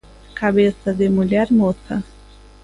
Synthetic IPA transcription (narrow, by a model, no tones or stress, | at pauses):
kabesɐd̪ɪmuʎɛɾmosɐ